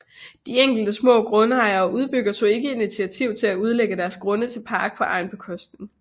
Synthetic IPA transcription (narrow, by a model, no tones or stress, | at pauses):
d̥ieŋ̰ɡ̥l̩d̥əsmɔ̰ːɡ̥ʁɔ̽nəɑ̈ɪɐːʔuð̞ˠb̥yɡ̥ɐt͡sʰo̝̰ːe̝ɡ̥əe̝dnit͡sʰiæt͡sʰiʊt͡sʰe̝læuð̞ˠleɡ̥əd̥æɐsɡ̥ʁɔ̽nət͡sʰe̝lpʰɑ̈ːɡ̥̚pʰɒ̽ʔɑ̈ɪnb̥ekʰɔsd̥neŋ